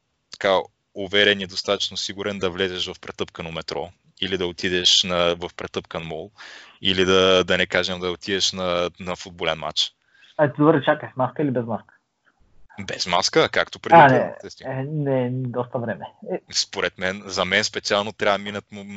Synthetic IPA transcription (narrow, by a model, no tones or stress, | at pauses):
t̪ɐ̥ka | ʊvɛɾɛniɛd̪ost̪at̪ɐ̥t͡ʃnosiɡuɾɛnd̪ɐvlɛzɛʃvɐfpɾɛt̪ɤpkənomɛt̪ɾɔ | ilid̪ɐot̪id̪ɛʃnɐvɐfpɾɛt̪ɤpkənmɔlˠilid̪ɐd̪ɐnɛkaʒɛmd̪ɐot̪id̪ɛʃnɐnɐfud̪̚bolɛnma̰t͡ʃ | ɐt̪id̪obɾɛt͡ʃakəʃmaskəilibɛzmaskə̥ | bɛzmaskəkakt̪opɾɛd̪iiɛ̰ɛst̪nɛd̪ɔst̪əvɾɛmɛɛspoɾɛt̪mɛnzɐmɛnspɛt̪sialˠnot̪ɾʲavəminət̪mʊ